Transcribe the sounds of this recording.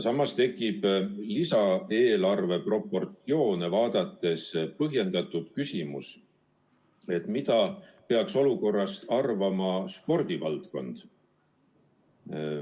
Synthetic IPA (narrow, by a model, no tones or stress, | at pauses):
sɑmːɑst̪e̞kːˑib̥lisɑe̞ːlɑrve̞pro̞pːˑo̞rt̪io̞ːnevɑːd̪̥ɑt̪ːˑe̞spɤɦje̞nd̪̥ɑt̪ːˑud̪̥kysimus | et̪ˑmit̪ɑpe̞ɑkso̞luko̞rːɑst̪ɑrvɑmɑspo̞rd̪̥ivɑlt̪ko̞̰nd̪̥